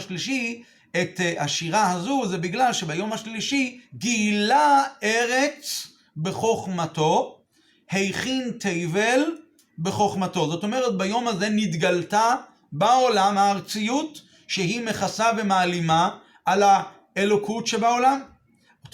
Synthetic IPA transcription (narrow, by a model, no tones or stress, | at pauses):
ʃliʃi | etaʃiʁahazuzebiɡlalʃe̞bajo̞mhaʃliʃiɡiːlae̞ʁe̞t͡s | be̞χo̞χmato̞ | he̞jχint̪ʰejvel | be̞χo̞χmato̞zo̞to̞me̞ʁet̪̚bajo̞maze̞nit̪ɡalta | bao̞lamhaːʁt͡sijut | ʃeɦime̞χasave̞maːlimaː | la | elo̞kʰutʃebao̞lam